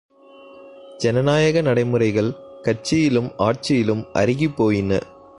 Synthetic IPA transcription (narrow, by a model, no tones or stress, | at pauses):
d͡ʒɛnɐnaːjɐɣɐnɐɽɐɪmɯrɐɪɣɐɭkɐrt͡ʃɪjɪlɯmaːʈt͡ʃɪjɪlɯmʔɐ̰ɾɪɣipːoːjɪnɐ̰